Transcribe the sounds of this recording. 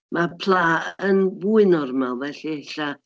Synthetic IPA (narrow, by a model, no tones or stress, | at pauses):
mapʰlˠaːənvuɨnɔrmawˠvɛɬiɛɬa